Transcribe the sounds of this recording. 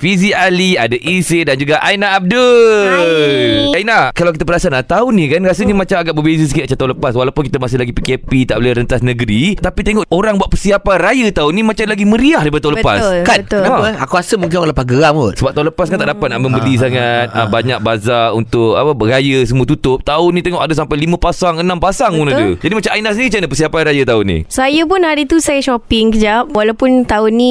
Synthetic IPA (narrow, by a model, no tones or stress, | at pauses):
fiziʔaliadaʔisɪndand͡ʒuɡaʔainaab̚də | ainahkalawkit̪əpəɾasanaʔt̪aunĩkanɾasəɲəmat͡ʃamaɡaʔbəbezəsəkit̪at͡ʃant̪aũləpaswalapʊnkit̪əmas̬ɪhlaɡipikɛpit̪aʔbolɛhɾənt̪asnəɡəɾit̪apit̪eŋɔʔʔoɾaŋbuaʔ̪̚pərsiapanrajət̪aunĩmat͡ʃamlaɡimə̃ɾiahdapadət̪aʊ̃ləpa̰skaəaakuasəmuŋk̬ɪnɔləpaɡəɾaŋusəbap̚t̪aɦũnləpaskant̪aʔdapat̪̚naʔmə̃mbəlis̬aŋat̪̚əbaɲak̚bazaunt̪ʊk̚apərajəsəmuət̪ut̪ʊp̚t̪aʊnːit̪eŋɔʔadəs̬ampajlimə̃pasaŋənãmpasaŋunadəd͡ʒadimat͡ʃamajnas̬init͡ʃanəpəsiapanrajət̪aʊnḭsajəpʊnaɾit̪usajaʃɔpɪŋkəd͡ʒap̚walawpʊnt̪aʊnːĩ